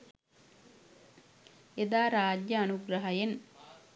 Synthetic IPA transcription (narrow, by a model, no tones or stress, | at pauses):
ed̪aːɾaːɟjəːnuɡɾɐɦɐjen